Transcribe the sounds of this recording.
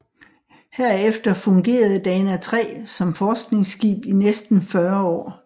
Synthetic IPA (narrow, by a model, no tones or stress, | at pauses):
hæɐ̰efd̥ɐfɔ̽ŋɡ̥e̝̰ːɐð̞̩ˠd̥ɛːnæt͡sʰʁɛ̰ːsɒ̽mfɒːsɡ̥ne̝ŋsɡ̥ḭːb̥inesd̥n̩fɶɐɒ̰ː